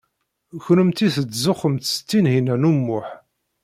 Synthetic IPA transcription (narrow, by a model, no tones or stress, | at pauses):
çɾəmt̪iθət͡sːzʊχəmt̪st͡s̪ːinhinænumːʊħ